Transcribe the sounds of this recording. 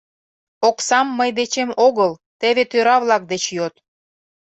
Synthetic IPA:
oksɑmːəjd̪et͡ɕemoɣəlt̪eβet̪øɾɑβlɑk̚d̪et͡ɕjot̪

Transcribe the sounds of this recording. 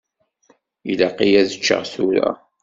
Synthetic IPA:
ilaqijæðət͡ʃːə̰ʁθuɾæ̰

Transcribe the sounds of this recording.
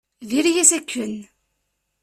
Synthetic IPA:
ðiɾjæsækːən

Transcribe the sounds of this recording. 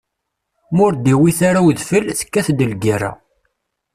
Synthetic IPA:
mʊɾd̪iwiθaɾawðfəlθə̥kːæθd̪əlɡaɾa̰

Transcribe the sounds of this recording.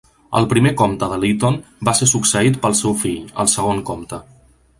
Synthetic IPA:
ə̰lˠpɾimekɔmt̪əðəlit̪onbasesuksəit̪̚pəlˠsewfiʎə̰lˠsəɣ̞oŋkomt̪ə

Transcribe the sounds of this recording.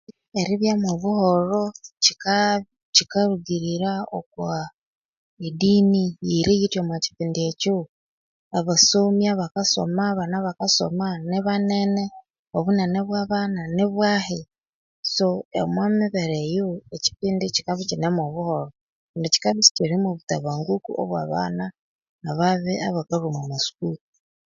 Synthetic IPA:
eɾiβjamoβuhoɾoci̥ka | cikaɾuɡiɾiɾao̰kwa | idiːnijiɾijitwemwaci̥piːndieco | aβasomjaβakaso̰maβanaβakaso̰maniβanene | oβuneneβwaβananeβwahe | soḛmwamiβeɾejoeci̥piːndit͡ʃi̥kaβit͡ʃinemoβuhoɾo | ndici̥kaβit͡ʃi̥ciɾimoβutaβaːŋɡukṵʔo̰βwa̰ːβa̰naː | βaβeaβakaɾumamasu̥kuku

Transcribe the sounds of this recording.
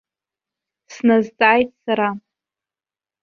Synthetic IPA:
snazt͡sʼaːjtʼsaɾa

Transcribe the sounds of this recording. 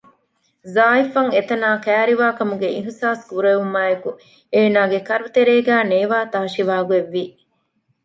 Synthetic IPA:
zaːifɐŋet̪ɐnaːkæːɾiʋaːkɐmuɡeiɦsaːskuɾɐumːaːeku | eːnaːɡekɐɾut̪eɾeːɡæːneːʋaːt̪aːʃiʋaːɡueʋːi

